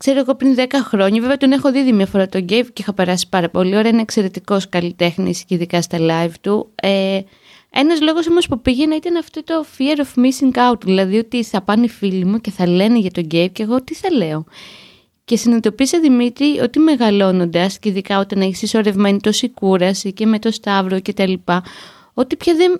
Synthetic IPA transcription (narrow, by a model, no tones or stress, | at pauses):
kse̞ɾoeɣo̞pɾinðe̞kɐxɾo̞ɲɐveveɐt̪onexo̞ðiðimɲɐfo̞ɾɐt̪o̞ɲɟejvceixɐpe̞ɾɐsi̥pɐɾɐpo̞lio̞ɾɐinekse̞ɾe̞t̪iko̞skɐlit̪e̞xnisciðikɐst̪ɐlɐivt̪ue | e̞nɐzlo̞ɣo̞s̬o̞mo̞spupiʝe̞nɐit̪ɐnɐft̪o̞t̪o̞fieɾofmisiŋkɐwt̪ðilɐðio̞t̪iθɐpɐnifilimuce̞θɐle̞neʝɐt̪o̞ɟejp̚ce̞ɣot̪iθɐle̞o̞ | ce̞sinet̪o̞pisɐðimit̪ɾio̞t̪ime̞ɣɐlo̞no̞nd̪ɐsceiðikɐo̞t̪ɐnɐisiso̞ɾe̞vme̞nit̪o̞sikuɾɐsice̞me̞t̪o̞st̪ɐvɾo̞ce̞t̪ɐlipɐ | o̞t̪ipçɐðen